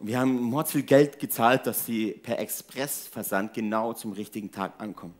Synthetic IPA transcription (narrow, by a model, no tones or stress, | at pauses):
viːɐhaːbm̩mɔɐt͡sfiːlɡɛltɡ̥ət͡saːlt̚d̥asz̥iːpʰɛɐʔɛkspʁ̥ɛsfɛɐzant̚ɡ̥ənaʊt͡sʊmʁɪçtɪɡŋ̩tʰa̰ːkʔankʰɔmən